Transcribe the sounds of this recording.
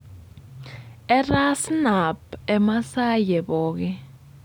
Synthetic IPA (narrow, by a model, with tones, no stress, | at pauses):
ɛ˦ra˦sna˨pɛ˨ma˦sa˦jɛ˨ɓɔː˦kɛ˦